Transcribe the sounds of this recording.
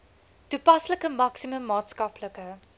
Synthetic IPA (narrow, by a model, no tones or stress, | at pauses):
tupɐsləkəmɐksiməmːɑːtskɐpləkə